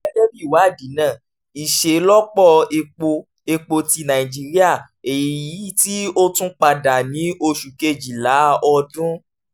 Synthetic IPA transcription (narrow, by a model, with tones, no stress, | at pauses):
d͡ʒɛ˦bi˦˨wa˨˦˨di˨˦nã˦˨ | i˨ʃe˨˦lɔ˦k͡pɔ˦˨e˧k͡po˧ | e˧k͡po˧ti˧nã˨ĩ˨d͡ʒi˦ɾi˦a˦˨ | e˨ji˨ji˨˦ti˦o˦tũ˦k͡pa˧da˨nĩ˨˦o˧ʃu˨ke˧d͡ʒi˨la˨˦ɔ˧dũ˦